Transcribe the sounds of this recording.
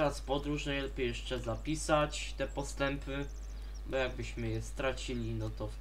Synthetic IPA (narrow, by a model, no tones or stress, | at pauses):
ɾaspɔd̪ɾuʐnajlɛpʲejɛʂt͡ʂɛzapʲisat͡ɕ | t̪ɛpɔst̪ɛmpɘ | bɔjaɡ̚bɘɕmɘjɛst̪ɾat͡ɕilʲinɔt̪ɔ